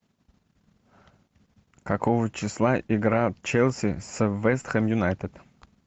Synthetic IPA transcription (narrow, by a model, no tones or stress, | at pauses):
kakovət͡ɕɪslˠaʔɪɡɾat̪t͡ɕɛlʲˠsʲɪsəvɛst̪xɛmjʊnajt̪ət̪